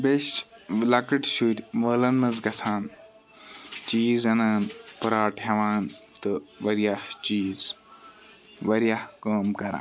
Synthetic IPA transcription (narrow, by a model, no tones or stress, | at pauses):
beʃlɐkɨʈʃuɾʲʋəːlɐnmɐzɡɐt͡sʰaːn | t͡ʃiːzɐnaːnpɐɾaːʈʰɦɐʋaːnt̪ɨʋɐɾjaht͡ʃiːz | ʋɐɾjahkəːmkɐɾã̰ːn